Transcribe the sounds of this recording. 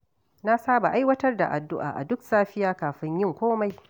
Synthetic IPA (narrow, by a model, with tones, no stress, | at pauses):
na˦saː˦ba˨ʔa˦jwɐ˦tɐ˦rda̰˨ʔa˨dʊ˦ʔa̰ː˨ʔa̰˨dʊ˦ksaː˦ɸɪ˦jaː˦kaː˨ɸɪ˦ɲjɪ˦ŋkʷoː˦ma˦j